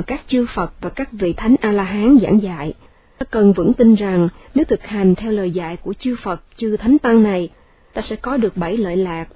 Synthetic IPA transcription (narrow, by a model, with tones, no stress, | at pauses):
kaː˦˥k̚t͡ɕɨ˧fə˨˩t̚vaː˨˩kaː˦˥k̚vḭ˧˨t̪ʰa˨˦jŋ̟ʔaː˧laː˧ɦaː˨˦nza̰ː˧˩ŋza̰ː˧˨j̪ | aː˧kə˨˩nvɨ̰˧˥ŋt̪i˧nza˨˩ŋ | ne˨˦wt̪ʰɨ˨˩k̚ha˨˩jŋ̟t̪ʰɛ˧wləː˨˩jza̰ː˧˨jku˧˩ət͡ɕɨ˧fə˨˩t̚t͡ɕɨ˧t̪ʰa˨˦jŋ̟t̪a˧ŋna˨˩j | t̪aː˧sɛ̰˧˥kɔ˨˦ɗɨ˨˩ək̚ɓə˧˩jlə̰ː˧˨jlaː˨˩k̚